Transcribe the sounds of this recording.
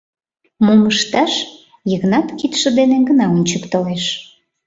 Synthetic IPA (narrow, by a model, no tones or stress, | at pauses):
muməʃt̪ɑʃ | jəɣnɑt̪kit̪ʃə̆d̪eneɡənɑunʲt͡ɕəkt̪oleʃ